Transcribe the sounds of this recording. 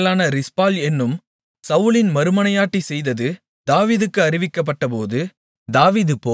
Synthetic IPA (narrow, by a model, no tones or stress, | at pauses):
laːnɐɾɪspaːlɛnːɯm | sɐʋɯlɪnmɐɾɯmɐnɐjaːʈːisɛjðɐðɯ | d̪aːʋiːðɯkːɯɐɾɪʋɪkːɐp̬ːɐʈːɐpoːðɯ | d̪aːʋiːðɯpːoː